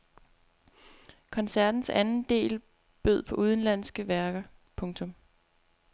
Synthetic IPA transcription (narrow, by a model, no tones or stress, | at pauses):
kʰɒ̽nsæɐd̥n̩sænn̩d̥e̝̰ːl | b̥øð̰ˠpʰɒ̽ʔuðˠn̩læn̰sɡ̥əʋæɐɡ̥ɐpʰɔ̽ŋt͡sʰɔ̽m